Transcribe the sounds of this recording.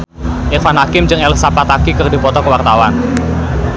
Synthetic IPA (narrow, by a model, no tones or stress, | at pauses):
ʔɪrfanɦakɪmd͡ʒɨŋɛlsapat̪akikɨrdipɔt̪ɔkəwart̪awan